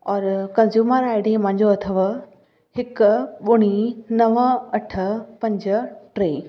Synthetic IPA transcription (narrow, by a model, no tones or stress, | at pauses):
ɔːɾkɐ̃nzjuːməɾaːɪɖimɐ̃ɦɪ̃ɲd͡ʑoɐt̪ʰəʋə | hɪkɓʊɽ̃inɐʋəɐʈʰə̆pɐ̃ɲd͡ʑəʈɾeː